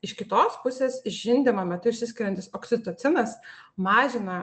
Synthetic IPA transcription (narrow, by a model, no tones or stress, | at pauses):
ɪʃkʲɪt̪oːspʊsʲeːsʒʲɪnʲd̪ʲɪmɐmʲɛt̪ʊɪʃʲsʲɪsʲkʲɪɾʲɛnʲt̪ʲɪsoːksʲɪt̪oːt̪sʲɪnɐsmɑːʒʲɪnɐ